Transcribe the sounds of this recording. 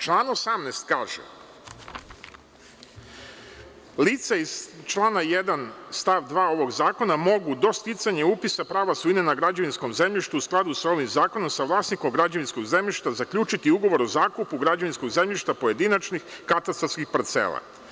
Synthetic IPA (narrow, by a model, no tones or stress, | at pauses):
t͡ʃlˠaːnosamneːst̪kaːʒḛ | lit̪saizt͡ʃlˠaːnajed̪anst̪aʋd̪ʋaːo̞ʋo̞ɡzaːko̞namo̞ɡud̪o̞st̪it̪saɲeupisapɾaːʋasuinenaɡɾad͡ʒaʋinsko̞mze̞mʎiʃt̪uːsklˠad̪usao̞ʋimzaːko̞no̞msaʋlˠaːsniko̞mɡɾad͡ʑaʋinsko̞ɡze̞mʎiʃt̪azakʎuːt͡ʃit̪iuɡo̞ʋo̞ɾozaːkupuɡɾad͡ʑaʋinsko̞ɡze̞mʎiʃt̪apo̞je̞d̪inat͡ʃnixkat̪ast̪askixpaɾt̪sḛːlˠa̰